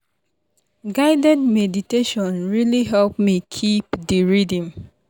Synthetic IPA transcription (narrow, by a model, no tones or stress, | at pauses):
ɡaɪdɛ̃dmɛditeʃɔ̃nɹiliɦɛlp̚mikʰipdiɹidĩŋ